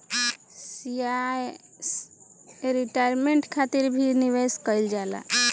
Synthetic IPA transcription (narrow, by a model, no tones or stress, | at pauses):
siaj | s | ɾiʈajɾmeɳʈkʰat̪iɾbʱiniʋeskəjld͡ʒala̰